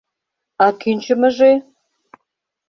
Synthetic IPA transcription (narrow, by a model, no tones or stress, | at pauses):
ɑkynʲt͡ɕə̆mə̆ʒe